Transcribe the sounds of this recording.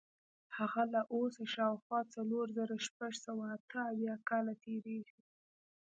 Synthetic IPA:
haɣalaʔosaʃɑwxwɑt͡saloɾzəɾaʃpaʐsawaːt̪əawjɑkɑlat̪eɾeɡi

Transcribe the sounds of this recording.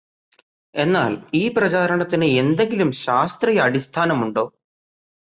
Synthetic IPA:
e̞nːaːliːprɐt͡ɕaːɾɐɳɐt̪ːinɨe̞nd̪e̞ŋɡilumɕaːst̪rijɐːɽist̪ʰaːnɐmuɳɖo̞ː

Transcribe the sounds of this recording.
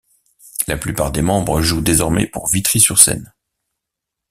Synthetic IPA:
laplypaʁd̪emɑ̃bʁəʒud̪ezɔʁmɛ̰puʁvit̪χisyʁsɛ̰n

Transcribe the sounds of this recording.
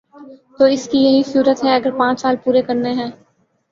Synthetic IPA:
t̪oːɪskijɐɦisuːɾət̪ɦɛɐɡəɾpãːt͡ʃsaːlpuːɾekɐɾneɦɛ̃ː

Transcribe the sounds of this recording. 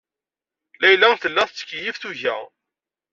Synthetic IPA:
læjlæŋθəlːæθt͡sːə̥kːjifθuʝæ̰

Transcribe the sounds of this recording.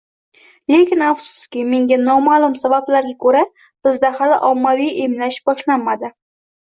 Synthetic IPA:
le̞kʲɪnafsʊ̥skʲɪme̞ŋɡʲanɒmalˠʊmsabablaɾɡʲakʰɵɾa | b̥ɪzd̪ahalɪʔɒmːavijʔe̞mlaʃbɒʃlanːad̪ɪ

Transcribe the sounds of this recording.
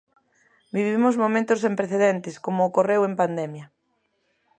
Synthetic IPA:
biβimʊzmomẽnt̪ʊsempɾeθeðent̪ɪskomoːkorewempand̪ɛmjɐ

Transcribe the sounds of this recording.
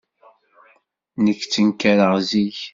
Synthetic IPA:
nəkːt͡sːənkːæɾəʁziç

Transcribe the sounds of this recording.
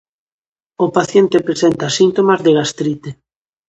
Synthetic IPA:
opaθjent̪epɾesent̪asint̪omazðeɣast̪ɾit̪e

